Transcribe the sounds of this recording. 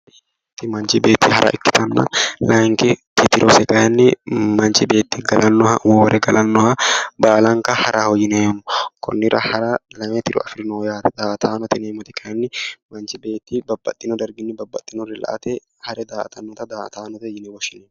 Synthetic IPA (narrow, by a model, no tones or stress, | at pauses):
t̪ːɪmɐnt͡ʃɪbe̞ːt̪ːihɐɾʔɐ̰ʔɪkːɪ̥t̪ɐnːɐ̰lɐŋkɪt̪ɪt̪ɪɾʔɔsɛkɐjɐnːɪmɐnt͡ʃɪbe̞ːt̪ːiɡɐlʔɐnːɔhɐwɔːɾɛɡɐlʔɐnːɔhɐbaːlɐŋkɐhɐɾʔɐhɔjɪnemʊkʰɔ̰nːɪɾɐ̰hɐɾɐlɐmet̪ɪɾɔ̰ɐfɪɾɪnɔjaːt̪ɛd̪aːʔt̪aːnɔt̪ɛneːmɔt̪ɪkʰɐjɐnːɪmɐnt͡ʃɪbe̞ːt̪ːibɐbːɐt̪ʼːɪnɔd̪ɐɾɡɪnːɪbɐbːɐt̪ʼːɪnɔɾɪlɐ̰ʔɐ̰t̪ɛ | hɐɾɛd̪aːt̪ɐnːɔt̪ɐd̪aːʔt̪aːnɔt̪ɛjɪnɛwɔʃɪneː